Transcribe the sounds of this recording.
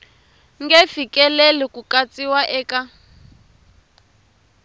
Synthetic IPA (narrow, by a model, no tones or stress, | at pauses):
ŋɡɛfikʼɛlɛlɛkukat͡sʼiwaʔɛːka